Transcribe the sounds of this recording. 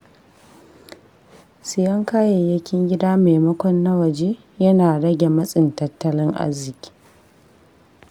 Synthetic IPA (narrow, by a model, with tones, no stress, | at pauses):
sɪ˨jɐ˦ŋkaː˦je˨jɐ˦kʲɪ˦ŋɡʲɪ˦daː˦meː˨mɐ˦kʷɔ˦nːɐ˦wɐ˨d͡ʒeː˦ | jɐ˦naː˨ɽɐ˦ɡʲe˨mɐ˦sʼɪ˨ntɐ˦tːɐ˦lɪ˦ŋʔa̰˦zːɪ˨kʲi̥ː˦